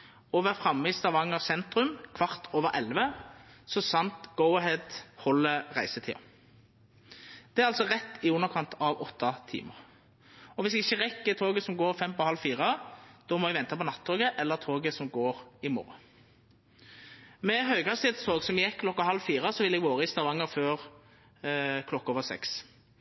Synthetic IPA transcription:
oːʋəʁfʁɑmːɪst̪ɑʋɑŋːəʁsɛnt̪ʁʉmkʰʋɑʁt̪ʰoːʋəʁʔɛlʋəsɔsɑnt̪ɡ̥oʊɦɛd̪hɔlːəʁæɪsət̪ʰḭːɑ̰ | d̪̥ɛæʁɑlsɔʁɛt̪ːɪʉnːəʁkʰɑnt̪ʰɑʋɔt̪ʰːɑt̪ʰḭːməʁ | ɔʋɪsɛɡɪçːəʁɛkːət̪ʰoːɡəsɔmɡoːɾfɛmpɔhɑlfiːʁəd̪̥ɔːmɔɛɡʋɛnt̪ɑpɔnɑt̪ʰːoːɡəʔɛlːəʁt̪ʰoːɡəsɔmɡoːɾɪmo̰ːɾə | mɛɦœʏɡɑst̪ɪɛːt̪st̪ʰoːɡsɔmjɛkkʰːlɔkːahɑlːfiːʁəsɔʋɪlɛɡʋoːʁəɪst̪ɑʋɑŋːəɾføːʁ | kʰlɔkːoːʋəʁsɛ̰ks

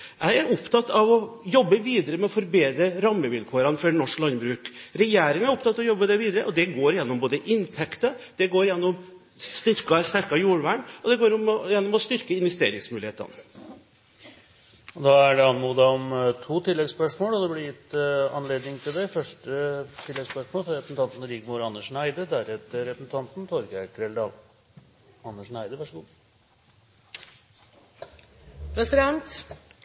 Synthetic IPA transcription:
jæɪæɾɔpt̪ʰɑt̪ːɑʋɔjɔbːəʋiːd̪əɾəmɛɔfɔɾbeːd̪ɾəɾɑmːəʋɪlkʰoːɾɑnfɔɾnɔʂklɑnbɾʉːkɾɛjeːɾɪŋæɾɔpt̪ɑt̪ːɑʋɔjɔbːəd̪ɛʋiːd̪əɾəʔɔd̪ɛɡoːɾɪjɛnːɔmboːd̪əʔɪnt̪ʰɛkt̪əd̪̥ɛɡoːɾɪjɛnːɔm | st̪ʏɾkɑst̪æɾkɑjuːɾʋæːɳɔd̪ɛɡoːɾɔmjɛnːɔmɔst̪ʏɾkəɪnʋɛst̪ḛːɾɪ̰ŋsmʉːlɪḛːt̪ɑ̰n | ɔd̪ɑæɖɛɑnmuːd̪ɑɔmt̪ʰuːt̪ʰɪlːɛɡspœʂmoːlɔd̪ɛblɪjɪt̪ːɑnleːd̪nɪŋt̪ʰɪld̪ɛfœʂʈət̪ʰɪlːɛɡspœʂmoːlfɾɛpəsn̩t̪ɑnt̪n̩ɾɪɡmʊɾɑnːəʂɳæɪd̪əd̪æɾɛt̪əɾːɛpɾəsən̩t̪ʰɑnt̪nt̪ʰɔɾɡækʰɾɛld̪ɑl | ɑnːəʂɳæɪd̪əʋæʂəɡuː | pʰɾɛsɪd̪ɛnt̪

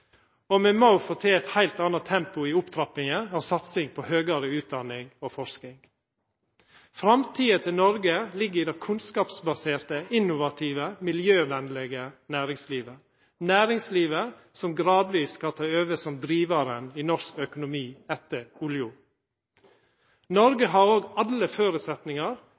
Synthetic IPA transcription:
omɛːmoʊfɔt̪ʰeːɛt̪hæɪlt̪ɑnɑt̪ʰɛmpʊiːʊpt̪ʰɾɑpɪŋəɑːsɑt̪sɪŋpʰɔhøːɡɑɾəʉːt̪̚d̪ɑnɪŋofɔʂknɪŋ | fɾɑmt̪ʰiːət̪ʰɪlnɔɾɡəlɪɡːəd̪ɛkʰʉnskɑːpsbɑseːɾt̪əɪnʊʋɑt̪ʰiːʋəmɪljøːʋɛnlɛɡənæːɾɪŋsliːʋə | næːɾɪŋsliːʋə | sɔmɡɾɑːd̪ʋiːskɑt̪ʰɑːøːʋəsɔmd̪ɾiːʋɑɾəniːnɔʂkœkʊnʊmiːɛt̪ːəɾʊljʊ | nɔɾɡəɦɑɾoːɡɑləføːɾʉsɛt̪nɪŋɑɾ

